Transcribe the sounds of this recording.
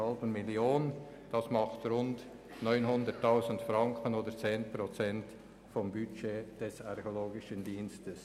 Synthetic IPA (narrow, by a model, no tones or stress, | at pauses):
ɑlbənmɪljoːn | d̥ɑsmɑχtɾʊnt | nɔʏnɦʊndətʰːaʊzən̩tfɾɑŋkənoːdət͡seːnpɾot͡sɛnt | fɔmbyt͡ʃeːd̥ɛsɑɾçoloːɡɪʃəndiːnstəs